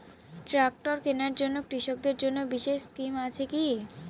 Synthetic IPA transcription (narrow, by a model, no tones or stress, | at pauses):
ʈɾak̚ʈoɾkenaɾd͡ʑonːokɾiʃok̚d̪eɾd͡ʑonːobiʃeʃskimat͡ɕʰeki